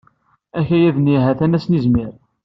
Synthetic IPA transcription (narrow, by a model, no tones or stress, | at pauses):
æçæjæðniɦæθænæsnizmiɾ